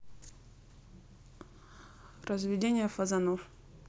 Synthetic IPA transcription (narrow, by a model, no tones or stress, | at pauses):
rəzvʲɪdʲenʲɪjəfɐzɐnof